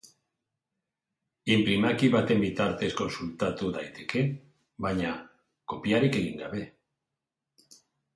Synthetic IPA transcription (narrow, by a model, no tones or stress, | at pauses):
impɾimakiβat̪e̞mbit̪aɾt̪e̞sko̞nsult̪at̪uðajt̪e̞ke̞ | βaɲa | ko̞piaɾike̞ɣiŋɡaβ̞e̞